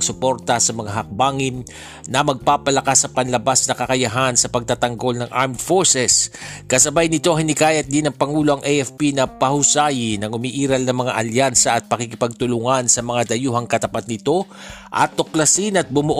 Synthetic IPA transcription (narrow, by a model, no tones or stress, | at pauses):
sʊpo̞ɾt̪ɐsɐmɐŋaɦɐk̚baŋɪnː | ɐmɐɡ̚paːpɐlɐkasːɐpɐnlɐbasnɐkɐkɐjɐɦansɐpɐɡ̚t̪at̪ɐŋɡo̞lnɐŋʔaɹmd̪foɹsɛskɐsɐbajnɪt̪o̞ɦɪnɪkaːjɐt̪̚d̪inɐŋpɐŋuːlo̞ʔɐŋʔɛjʔɛfpinɐpɐhʊsajɪnɐŋʊmiʔiːɾɐlnɐŋmɐŋaʔɐljansɐʔːt̪̚pɐkikɪpɐɡ̚t̪ʊlʊŋansɐmɐŋad̪ɐjuːɦɐŋkɐt̪ɐpat̪̚nɪt̪o̞ | ʔɐ̰t̪ːoklɐsinɐt̪̚bʊmʊʔ